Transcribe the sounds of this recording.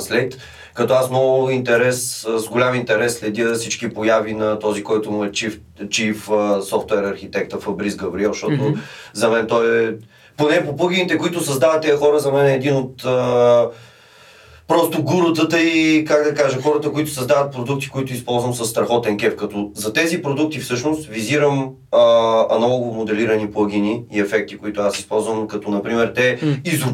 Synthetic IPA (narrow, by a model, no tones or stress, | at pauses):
slɛkt̪ | kɐt̪ɔasmnɔɡʊint̪ɛɾɛszɡolʲamint̪ɛɾɛsːlɛd̪ʲjəsit͡ʃkipojavinɐt̪ɔzikɔjt̪ʊmʊɛt͡ʃif | t͡ʃifsɔft̪ɛɾɐɾxit̪ɛkt̪əfəbɾizɡɐvɾiɛʃt̪ɔt̪ʊzɐmɛnt̪ɔɛ | ponɛpopɤɡ̟init̪ɛkoit̪ʊsɐzd̪avət̪ːɛjəxɔɾəzɐmɛnɛɛd̪inot̪ə | pɾɔst̪ʊɡuɾot̪ət̪əikaɡd̪ɐkaʒɐxɔɾət̪əkoit̪ʊ̥sɐzd̪avɐt̪̚pɾod̪uk̚t̪i̥koit̪ʊispɔlˠzvəmsɐsːt̪ɾɐxɔt̪ɛnkɛfkɐt̪ɔzɐt̪ɛzipɾod̪uk̚t̪ifsɤʃnost̪viziɾəm | əɐnɐlˠɔɡomod̪ɛliɾɐniplˠɤɡ̟iniːɛfɛk̚t̪ikʊit̪ʊasispɔlˠzvəmkɐt̪ɔnɐpɾimɛɾt̪ɛizʊ